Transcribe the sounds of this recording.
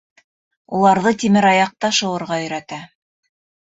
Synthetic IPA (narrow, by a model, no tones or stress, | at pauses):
ulˠɑɾðɤt̪ʲimɘɾɑjɑq̚t̪ɑʃɤ̆wɤ̆ɾʁɑɵ̆jɾæt̪æ